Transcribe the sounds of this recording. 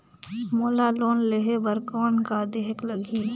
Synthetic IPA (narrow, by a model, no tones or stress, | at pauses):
moːlaloːnleɦebəɾkɔːnkad̪eɦkləɡʱi